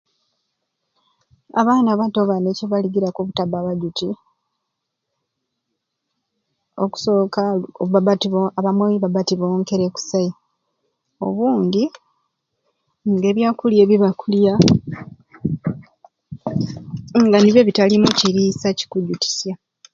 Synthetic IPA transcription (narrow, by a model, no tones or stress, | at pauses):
a̰βaːnaβato̞βaneceβaliɡiɾakoβutabaβaɟuti | o̞̰ku̥so̞kaoβabatiβoaβamweiβabatiβoːŋke̞ɾe̞ku̥sai | o̞̰βuːɲɟi | ŋɡe̞ːβjaːkulje̞ːβiβakulja | ŋɡaniβje̞ːβitalimuciɾiːsaci̥kuɟuti̥sja